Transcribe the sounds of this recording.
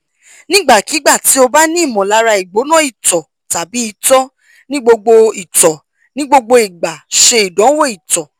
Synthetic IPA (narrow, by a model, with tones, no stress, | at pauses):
nĩ˦ɡ͡ba˦˨ki˨˦ɡ͡ba˦˨ti˨˦o˧ba˦nĩ˦˨mɔ̃˨la˨˧˦ɾa˧i˨ɡ͡bo˨˦nã˦i˦˨tɔ˨ | ta˨bi˨˦i˧˦tɔ˦ | nĩ˦ɡ͡bo˧ɡ͡bo˧i˨tɔ˨ | nĩ˦ɡ͡bo˧ɡ͡bo˧i˨ɡ͡ba˨ʃe˧i˨dɔ̃˨˦wo˦˨i˨tɔ˨